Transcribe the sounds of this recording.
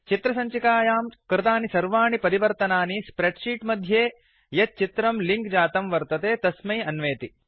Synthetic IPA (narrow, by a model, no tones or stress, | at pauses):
t͡ʃit̪ɾɐsɐɲt͡ʃikaːjaːmkɾɪt̪aːnisɐɾʋaːɳipɐɾiʋɐɾt̪ɐnaːnispɾeɖʂiːʈmɐd̪ʱjeː | jɐt̪̚t͡ʃit̪ɾɐmliŋkd͡ʒaːt̪ɐmʋɐɾt̪ɐt̪eːt̪ɐsmɐjɐnʋeːt̪i